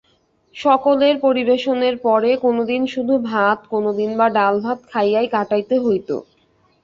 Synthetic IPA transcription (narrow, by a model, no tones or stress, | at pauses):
ʃɔkoleɾpoɾibeʃoneɾpɔɾekonod̪inʃud̪ʱubʱat̪konod̪inbaɖalbʱat̪kʰajajkaʈajt̪eɦojt̪o̰